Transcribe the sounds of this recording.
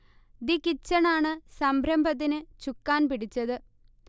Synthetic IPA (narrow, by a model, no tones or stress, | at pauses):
d̪ikit͡ɕːɐɳaːɳɨsɐmbʱɾɐmbɐðinɨt͡ɕukːaːnpiɽit͡ɕːɐðɨ